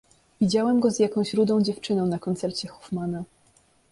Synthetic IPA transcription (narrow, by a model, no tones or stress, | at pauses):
vʲid͡ʑawɛmɡɔzjakɔ̃w̃ɕɾud̪ɔ̃w̃d͡ʑɛft͡ʂɘnɔ̃w̃nakɔnt̪sɛɾt͡ɕɛxɔfmana